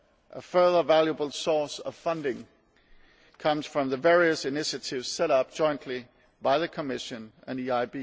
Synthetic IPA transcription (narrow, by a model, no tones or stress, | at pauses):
ʔəfɜ˞ðəvælˠjəbəl̩ˠsɔsʌv̥fʌ̃ndɪ̃ŋ | kʰʌ̃mz̥fɹʌ̃mðəvɛɹiɨsɪnɪʃɨtʰɪvz̥sɛɾʌp̚d̥ʒ̥ɔ̃ɪ̃nʔʰli | b̥aɪðɨkʰəmɪʃɨ̃nɨ̃niaɪbi